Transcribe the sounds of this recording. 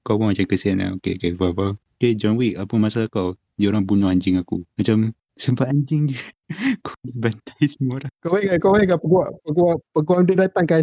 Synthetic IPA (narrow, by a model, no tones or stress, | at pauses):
kawbɔmat͡ʃamkəsiana̰okeokevaba | ked͡ʒɔnwikapumasalakaw | dioɾaŋbunɔhaɲd͡ʒɪŋakumat͡ʃam | səmpat̪aɲd͡ʒɪŋd͡ʒə | kadibant̪ḁjsəmuoɾaŋkawaɛkakawaɛkapəɡuaʔpəɡuaʔpəɡuaŋdudat̪aŋka